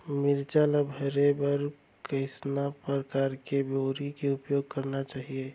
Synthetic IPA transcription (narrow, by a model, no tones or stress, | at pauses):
miɾd͡ʒalabʱəɾebəɾ | kəɪsnapɾɾəkaɾkeboɾikeupjoɡ̚kəɾnat͡ʃaːɦie